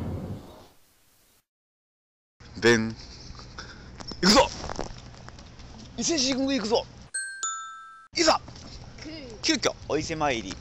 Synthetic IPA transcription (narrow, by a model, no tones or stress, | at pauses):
d̪ẽn | ikɯzo | iseɕ̬iiɡɯɡikɯzo | iza | kʲɨːkʲo̰ːise̞maiɾʲḭ